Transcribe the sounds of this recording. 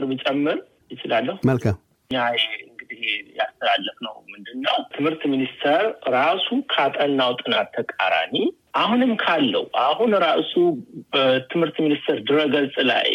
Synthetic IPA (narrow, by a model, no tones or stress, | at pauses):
ɾmɨt͡ʃʼɛmːɨɾ | jɪt͡ʃɪlalːəhuməlkʰam | ɨɲːajɨŋɡɨd̪ihjast̪ʰəlalːəfnə̰wmɨnd̪ɨnːəwt̪ʰɨmhɨɾt̪minist̪ʰəɾɾasukʰat̪ʼənːawt̪ʼɨnat̪ʰːəkʼa̰ɾa̰ni | ʔahunɨmkʰalːə̰wuʔahunɾaʔsubət̪ʰɨmhɨɾt̪minist̪ʰəɾd̪ɨɾəɡəlsʼla̰j